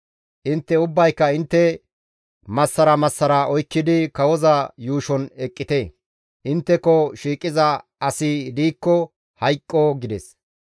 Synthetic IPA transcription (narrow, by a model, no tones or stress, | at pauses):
ʔɪnt̪ːɛʊbːɐjkːɐɪnt̪ːɛ | mɐsːɐɾɐmɐsːɐɾɐɔjkːɪd̪ɪkɐwɔzɐjuːʃɔnɛkʼːɪt̪eː | ʔɪnt̪ːɛkɔʃiːkʼɪzɐɐsɪd̪iːkːɔ | hɐjkʼːɔɡɪd̪ɛs